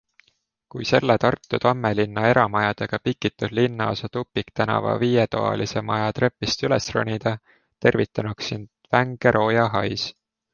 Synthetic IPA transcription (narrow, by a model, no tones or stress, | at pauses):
kujse̞lːet̪ɑrt̪ˑːut̪ɑmːe̞linːɑe̞ɾɑmɑjɑd̪̥eɡ̥ɑpikːit̪ːˑud̪linːɑosɑt̪upːikt̪ænɑ̰vɑ̰viːjet̪o̰ɑ̰lise̞mɑjɑt̪ɾe̞pːˑist̪ylesro̰nʲid̪̥ɑ | t̪e̞rvit̪ːˑɑnuksind̪væŋɡ̥eɾʔo̞ːjɑɦɑjs